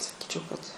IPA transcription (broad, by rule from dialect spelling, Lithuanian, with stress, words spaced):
sɐˈkʲiːt͡ʃʲɛʊ kɐt